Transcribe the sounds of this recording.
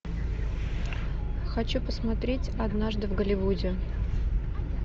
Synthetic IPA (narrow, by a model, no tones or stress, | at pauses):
xɐt͡ɕupəsmɐt̪ɾʲetʲɐd̪naʐd̪ɨvɡəlʲɪvudʲɪ